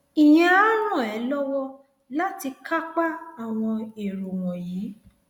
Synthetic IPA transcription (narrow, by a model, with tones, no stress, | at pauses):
i˨j̃ã˨a˦ɾ̃ɔ̃˦˨ɛ˨˦lɔ˦wɔ˦ | la˦ti˧ka˦k͡pa˦a˨w̃ɔ̃˧e˨ɾo˨w̃ɔ̃˨jiː˨˦